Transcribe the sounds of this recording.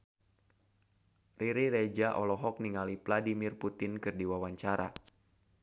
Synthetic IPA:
rʔiɾiɾed͡ʒaʔɔlɔɦɔk̚niŋalipladimirput̪ɪnkɨrdiwawaɲt͡ʃaɾa

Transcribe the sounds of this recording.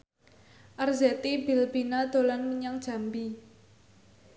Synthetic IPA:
ʔarzɛt̪ibilbinad̪̥o̤lanməɲaŋd̥ʒ̥a̤mbi

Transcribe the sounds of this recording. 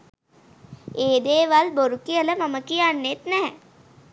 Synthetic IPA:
eːd̪eːʋalboɾukijələmaməkijanːet̪nɛɦɛ̰

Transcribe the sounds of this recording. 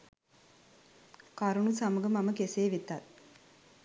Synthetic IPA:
kɐɾuɳusɐmɐɡɐmɐmɐkeseːʋit̪ːaːɾ

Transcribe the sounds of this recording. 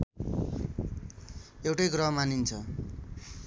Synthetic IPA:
ewʈʌjɡrʌɦmanint͡sʰʌ

